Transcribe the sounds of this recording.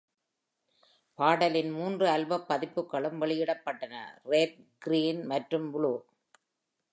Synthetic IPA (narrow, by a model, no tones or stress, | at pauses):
paːɽɐlɪnmuːndrɯɐlbɐpːɐðɪpːɯkːɐɭɯmʋɛɭɪjɪɽɐpːɐʈːɐnɐ̰ɾeːd̪̚ɡɪɾiːnmɐʈrɯmʋʊɭuː